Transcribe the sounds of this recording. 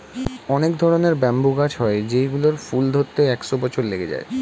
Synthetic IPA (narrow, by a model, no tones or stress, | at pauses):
ɔnekd̪ʱɔɾoneɾbɛmbuɡad͡ʑɦɔed͡ʑejɡuloɾfuld̪ʱot̪ːeɛkʃobɔt͡ɕʰoɾleɡed͡ʑa̰e